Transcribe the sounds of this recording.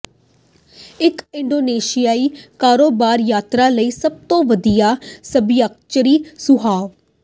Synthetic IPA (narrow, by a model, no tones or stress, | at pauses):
ɪkɪɳɖoːneːʃɪjaːiːkaːɾoːbaːɾjaːt̪ɾaːləiːsəb̚t̪õːʋəd̪ijaːsəbɪjak̚t͡ʃəɾiːsʊɦaːʋ